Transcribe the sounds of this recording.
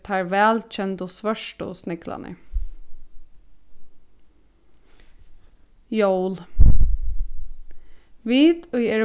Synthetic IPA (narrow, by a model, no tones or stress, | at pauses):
t̪ʰaɹʋæːlt͡ʃʰɛnt̪ʊsʋœʂʈʊ̰snɪkla̰nə̰ | jowl | ʋiːt̪ʊjɛɾ